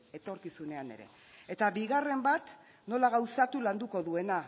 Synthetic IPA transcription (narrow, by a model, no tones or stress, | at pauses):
e̞t̪o̞ɾkisune̞ane̞̰ɾe̞̰ | e̞t̪aβiɣare̞mbat̪ | no̞laɣ̞awsat̪uland̪uko̞ðue̞na